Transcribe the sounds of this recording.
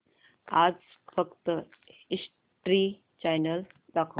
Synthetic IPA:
ad͡z | fəkt̪əis | ʈɾi | t͡ɕajnəl | d̪akʰo

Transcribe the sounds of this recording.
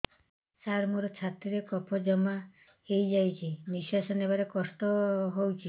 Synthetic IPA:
saɾmuɾɔt͡ʃʰat̪iɾekɔpʰɔd͡ʒɔma | hejd͡ʒajt͡ʃʰimisasɔnebaɾekɔst̪ɔɦowt͡ʃʰi

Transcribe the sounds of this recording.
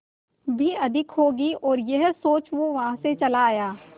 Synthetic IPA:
bʱiɐd̪ʱɪkɦoːɡiɔːɾjɐɦsoːt͡ʃʋoʋɐɦãset͡ʃɐlaːjaː

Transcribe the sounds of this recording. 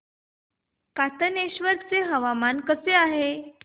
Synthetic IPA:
kat̪əneɕʋəɾt͡seɦəʋamankəseaɦe

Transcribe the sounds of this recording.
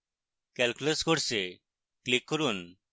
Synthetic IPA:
kɛlkuləskoɾse | klikːoɾun

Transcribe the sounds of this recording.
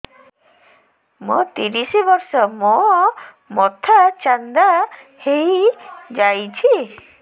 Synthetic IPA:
mot̪iɾisibɔɾsɔmɔ | mɔt̪ʰat͡ʃand̪a | hejd͡ʒajt͡ʃʰi

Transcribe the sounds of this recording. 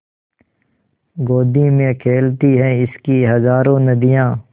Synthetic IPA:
ɡoːd̪imẽkʰeːlt̪iɦɛ̃ɪskiɦɐzaːɾõnɐd̪ijãː

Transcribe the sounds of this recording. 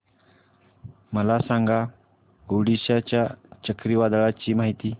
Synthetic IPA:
məlasaŋɡa | ɡoɽiɕat͡ɕjat͡ɕəkɾiːʋad̪ɭat͡ɕiːmaɦit̪iː

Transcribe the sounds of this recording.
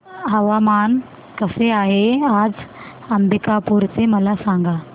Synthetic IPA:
əʋaman | kəseaɦead͡z | əmbikapuɾt͡seməlasaŋɡa

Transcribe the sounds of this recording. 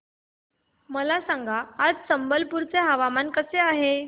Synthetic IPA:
məlasãŋɡaːd͡zsəmbəlpuɾt͡seɦəʋamankəseaɦe

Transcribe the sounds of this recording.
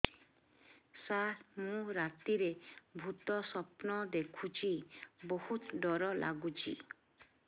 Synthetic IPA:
saɾmũɾat̪iɾebʱut̪ɔsɔpnɔd̪ekʰut͡ʃʰibɔhut̪ɖɔɾɔlʔa̰ɡut͡ʃʰḭ

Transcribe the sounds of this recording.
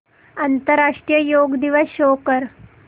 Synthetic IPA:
ant̪əɾːaʂʈɾijəjoɡd̪iʋəsɕokəɾ

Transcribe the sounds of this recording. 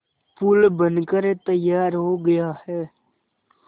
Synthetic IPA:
pulbənkəɾet̪əjaːɾɦoɡɐjahɛː

